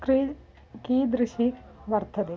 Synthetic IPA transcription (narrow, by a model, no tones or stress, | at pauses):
kɾiːd͡ʒ | kiːd̪ɾɪʃiʋəɾt̪ʰəd̪e